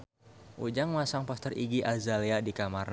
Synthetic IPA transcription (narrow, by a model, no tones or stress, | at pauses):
ʔud͡ʒaŋmasaŋpast̪ərʔiɡiʔazaliadikamarn